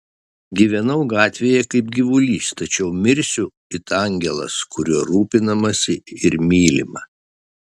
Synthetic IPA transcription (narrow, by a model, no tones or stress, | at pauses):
ɡʲiːʋʲɛnɐʊɡɑːt̪ʲʋʲeːjɛkɐɪp̚ɡʲiʋʊlʲiːst̪ɐt͡ʃʲɛʊmʲɪɾʲsʲʊ | ɪt̪ɑŋʲɡʲɛlˠɐ̰skʊɾʲuɔɾuːpʲɪnɐmɐsʲɪɪɾmʲiːlʲɪmɐ